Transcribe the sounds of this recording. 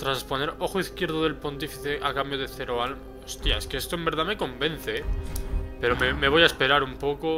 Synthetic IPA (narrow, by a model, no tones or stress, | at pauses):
t̪ɾaspo̞ne̞ɾo̞xoiθkje̞ɾð̞oð̞e̞lpont̪ifiθeʔakambjoðe̞θeɾoal | ost̪ja̰eskeest̪oembe̞ɾðame̞ko̞mbe̞n̟θe | pe̞ɾo̞meme̞βo̞jaespe̞ɾaɾumpo̞ko